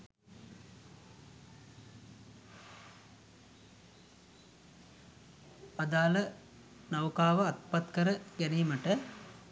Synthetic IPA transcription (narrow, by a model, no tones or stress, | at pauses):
ad̪aːlə | nɐwkaːʋəɐt̪pat̪kəɾəɡæneːməʈə